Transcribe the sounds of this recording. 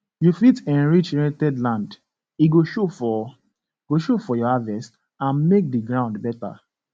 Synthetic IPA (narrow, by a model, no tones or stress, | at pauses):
jufitɛ̃nɹit͡ʃɹɛ̃tɛdlãnd | iɡoʃofɔ | ɡ̥oʃofɔjɔhavɛst | ãnmek̚diɡɹãʊndbɛta̰